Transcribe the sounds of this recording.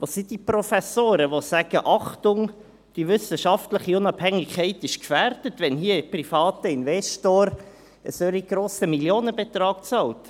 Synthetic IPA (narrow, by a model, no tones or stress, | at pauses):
ʋɑsid̥iprɔfɛsoːɾəʋosæɡ̥əʔɑχtʊŋ | d̥iʋʏsəʃɑftləχiʊnɑbhɛŋɪkʰɛɪtɪʃkfæːɾd̥ətʋɛnɦiəprifɑːtəinvɛstoːɾ | əsøɾiɡ̥ɾoːsəmiljoːnəbet̪ɾɑːk̚t͡sɑlt